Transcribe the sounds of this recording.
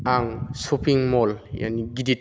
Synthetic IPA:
aŋsopʰiŋmɔlja̰niɡidit̚

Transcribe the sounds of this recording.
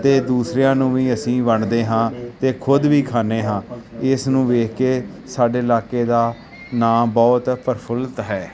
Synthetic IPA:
t̪eːd̪uːsɾejãːnũːʋĩːəsĩːʋəɳd̪eːɦãːt̪eːkʰʊd̪ʋiːkʰaːneːɦãːɪsnũːʋeːkkeː | saːɖeːɪlaːkeːd̪aː | naːmbɔːt̪pəɾpʰəlt̪ɦɛː

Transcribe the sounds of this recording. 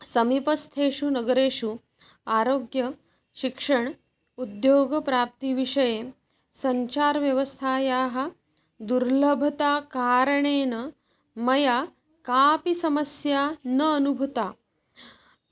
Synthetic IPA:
sɐmipɐst̪ʰeːʂunɐɡɐɾeːʂu | aːɾoːɡjɐ | ʃikʂɐɳ | ud̪joːɡɐpɾaːp̚t̪iʋiʂɐjeː | sɐɲt͡ʃaːɾʋjɐʋɐst̪ʰaːjaːɦɐ̆ | d̪uɾlɐbʱɐt̪aːkaːɾɐɳeːnɐ | mɐjaː | kaːpisɐmɐsjaːnɐːnubʱut̪aː

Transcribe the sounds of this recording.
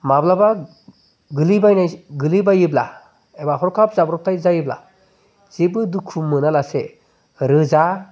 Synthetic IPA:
mablaba | ɡɯlibajnajɡɯlibajɯbla̰ | ebaɦɔɾkʰap̚zabɾɔp̚tʰajzajɯbla̰ | z̥ebɯdukʰumɯnalase | ɾɯza

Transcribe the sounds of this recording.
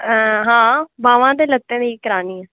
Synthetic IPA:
ɦãːbaːʋãːd̪eːlət̪ːẽːd̪eikəɾaːniːɛː

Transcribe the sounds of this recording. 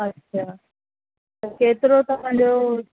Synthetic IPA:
ɐtːʃʰaː | ɐkeːt̪ɪɾot̪ɐʋ̤ãːɲd͡ʑo

